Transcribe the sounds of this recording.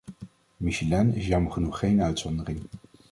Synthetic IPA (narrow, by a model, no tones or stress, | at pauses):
miʃilɛnɪsjɑməɹχənuχːejnœɥtsɔndərɪŋ